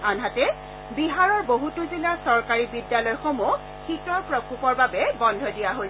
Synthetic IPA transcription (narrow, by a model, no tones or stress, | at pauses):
anɦatɛ | biɦaɹɔɹboɦutʊzilasɔɹkaɹibidjalɔjxomu | xitɔɹpɹɔkupɔɹbabɛbɔndʱɔdijaɦo